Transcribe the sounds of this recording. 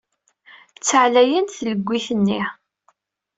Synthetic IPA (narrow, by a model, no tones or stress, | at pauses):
t͡sːəʕlæjænθləɡʷːiθənːi